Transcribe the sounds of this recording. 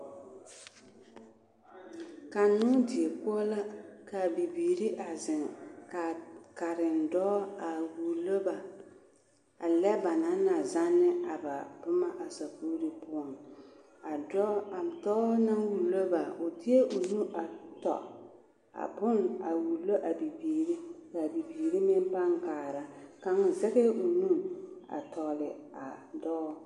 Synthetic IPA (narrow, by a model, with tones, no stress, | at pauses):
ka˨nʊ˦dɪ˨e˨ku˦ɔ˦la˦ka˨bi˨biː˨ɾi˦ʔa˨zɪ˨ŋka˨ka˨ɾɪ˨n̩˨dɔ˦a˨wu˨lo˦ba˨ | a˨lɛ˦ba˨na˦na˨za˦nːɪ˦a˨ba˨pʊ˦ma˦ʔa˨sa˨pu˦ɾi˦pʊ˦a˨n | a˨dɔ˦a˨m˨tɔː˦na˦wu˨lo˦ba˨ʊ˨di˦e˦ʔʊ˨nu˦ʔa˨tɔ̰˨ | a̰˨bʊ˦na˨wu˨lo˦ʔa˨bi˨biː˨ɾi˦ka˨bi˨biː˨ɾi˦mɪ˦m˦pa˦ŋkaː˨ɾa˨ka˦ŋ˨zɛ˦ɣe˦ʊ˨nu˦˨a̰˨tɔ˨lɪ̰˨a˨dɔː˦